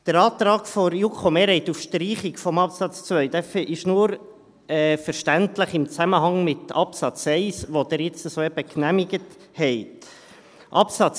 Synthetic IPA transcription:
d̥əɾɑːt̪ɾɑːkfoɾjukχomeːɾɛɪt̪ufʃtɾiːχikfɔmɑpsɑt͡st͡svœʏd̥̪ɛfʔɪʃnuːɾ | ɛːfəɾʃtæntləχɪmt͡sæməɦɑŋmɪtɑpsɑt͡sɛɪsʋod̥̪ɛɾjɪt͡st̪əsoːɛb̥əknæmɪɡət | hɛɪt | ʔɑpsɑt͡s

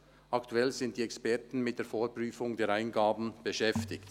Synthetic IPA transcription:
ʔɑktʰuɛlzɪnt̚d̥iːɛkspɛɐtn̩mɪt̚d̥eːɐfoːɾpʁyːfʊŋdeːɾaɪnɡaːbn̩b̥əʃɛftɪçt

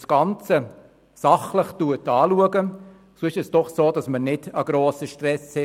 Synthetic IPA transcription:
sɡ̥ɑnt͡sə | sɑχləχtuətɑːluəɡə | soɪʃɛsd̥ɔχsoːdɑsmənɪdəɡ̥ɾoːsəʃtrɛshɛ

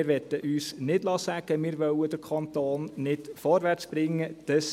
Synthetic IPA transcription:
ɪɾʋɛt̪ːəʔyːsnɪd̥lɑːsæɡ̥əmɪːɾʋœwəd̥̪əɾkʰɑnt̪oːnnɪd̥fɔɾʋært͡sb̥ɾɪŋːəd̥əs

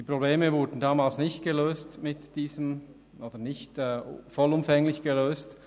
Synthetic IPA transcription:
d̥iːpʁ̥obleːməvʊɾdn̩daːmaːlsnɪçt̚ɡ̥əløːstmɪtd̥iːzəm | ʔoːd̥ənɪçtɛːfɔlʊmfɛŋlɪçɡ̥əløːst

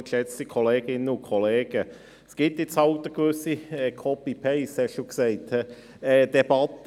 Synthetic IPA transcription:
ʃɛt͡st̪əkʰɔleːɡ̥ɪnənʊnkʰɔleːɡ̥ə | sɡ̥ɪt̪jɪt͡shɑlt̪əɡvøsiɛkʰɔpipʰɛɪshɛokseɪt | ɛːd̥ɛb̥ɑt

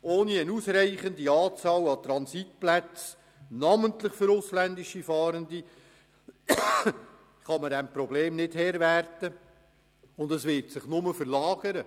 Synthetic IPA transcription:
oːniənuːsɾæɪχəndiɑːt͡sɑːlɑt̪ɾɑnsit̚plæt͡s | nɑmənt̪lɪχfʏɾʊslændɪʃifɑːɾəndi | χɑmədɛmpɾɔbleːmnɪdhɛɾʋæɾtə | ʊnd̪əsvɪɾtsɪχnʊməfəɾlɑːɡ̥əɾə

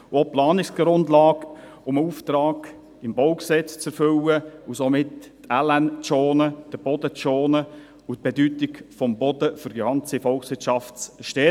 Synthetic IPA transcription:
oplɑːnɪksɡ̥ɾʊndlɑːɡ | ʊməuft̪ɾɑːɡ̥ | ɪmboʊksɛt͡st͡sɛɾfʏwəʊsomɪttɛlɛnt͡soːnəd̥əb̥ɔdət͡soːnə | ʊt̚b̥edytɪkfɔmbɔdəfʏɾɡəɑnt͡sifɔlksʋɪɾtʃɑftt͡sʃtɛ

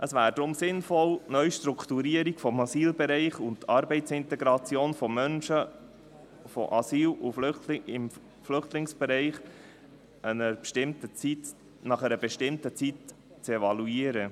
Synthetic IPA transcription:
ʔəsvæːɾdɾʊmsɪnfɔlnœʏʃtɾukʰt̪uɾiəɾiɡ̥fɔmɑsiːlbɛɾɛɪχʊntt̪ɑɾbɛɪtt͡sɪnt̪ɛɡɾɑt͡sjoːnfɔmœnʃə | fɔ̰ʔɑsiːluflʏχtlɪŋɪm | flʏχtlɪŋsb̥ɛɾɛɪχ | ʔənəɾpʃtɪmtət͡sit | nɑχəɾəbɛʃtɪmtət͡sit | t͡sɛvɑluiːəɾə

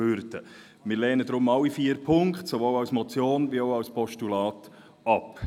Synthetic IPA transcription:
øɾt̪ə | mɪːɾlɛːnədɾʊmɑwifiːəɾpʰʊŋkχtsoʋoːlɑwsmɔt͡sjoːnvioʊɑwspɔʃtulɑːt | ɑp

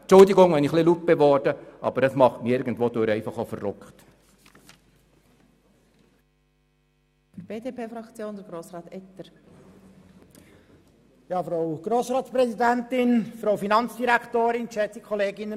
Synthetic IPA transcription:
t͡ʃʊldiɡʊŋʋɛniχlilup̚bevɔrd̥əʔɑ̰b̥əɾdɑsmɑχtmiɪɾɡən̩dvoːd̥øɾɛɪfɑχofərʊ̰kχt | fəb̥eːdeːpeːfɾɑkt͡sjoːndəɡ̥ɾoːsɾɑːt̪ɛt̪əɾ | jɑːfɾaʊɡ̥ɾoːsɾɑːt̪spɾɛsidɛntɪnfɾowfinɑnt͡sd̥iɾæktoːɾɪnʃɛt͡sikʰɔleːɡɪnə

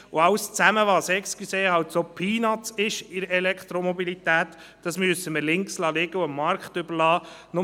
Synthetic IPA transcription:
ʊɑwst͡sæməʋɑːsɛkskiseːhɑwtsopʰiːnɑtt͡sɪʃɪɾɛlɛkt̪ɾɔmɔbilit̪æːt̪ | d̥ɑsmyəsəməɾlɪŋkslɑːlɪɡ̥əʊəmːɑɾkχtʏbəɾlɑːnʊ

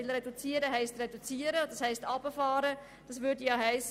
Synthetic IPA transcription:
ɪlɾedut͡siːəɾəɦɛɪstredut͡siːəɾəodəshɛɪstɑbəfɑːɾə | d̥ɑsvʏːdijɑɦɛɪs

